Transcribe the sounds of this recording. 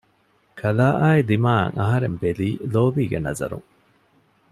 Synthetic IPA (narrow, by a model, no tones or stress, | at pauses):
kʰɐlaːʔaːilimaːɐ̰ŋɐɦɐɾembeliːloːʋiːɡenɐ̰zɐ̰ɾṵŋ